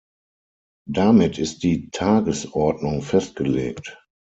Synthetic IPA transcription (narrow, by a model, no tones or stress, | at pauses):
damɪtʰɪst̚d̥iːtʰaːɡəsɔɐdnʊŋfɛst̚ɡ̥əlḛːkt